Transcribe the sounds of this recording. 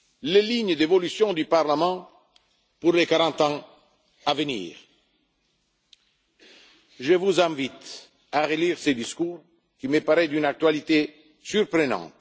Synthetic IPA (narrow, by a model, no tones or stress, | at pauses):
leliɲd̪evɔlysjɔ̃d̪ypaʁlamɑ̃ | puʁlekaɾɑ̃t̪ɑ̃ | avənḭːʁ | ʒəvuzɛ̃vit̪ | aʁeliːʁsed̪iskuːʁ | kiməpaɾɛd̪ynak̚t̪ɥalit̪e | syɾpɾənɑ̰̃ːt̪